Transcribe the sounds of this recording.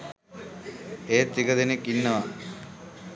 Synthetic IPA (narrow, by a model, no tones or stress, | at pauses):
eːt̪ːiɡɐd̪inekːinːɐʋa